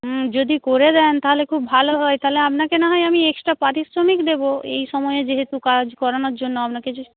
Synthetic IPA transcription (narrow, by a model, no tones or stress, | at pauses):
d͡ʑod̪ikoɾed̪ɛnt̪aɦolekʰubːʱaloɦɔet̪aɦoleapnakenaɦɔjamieksʈɾapɾat̪isɾomikd̪eboḛjʃɔmɔeed͡ʑeɦet̪ukad͡ʑkɔɾanoɾd͡ʑonːoapnake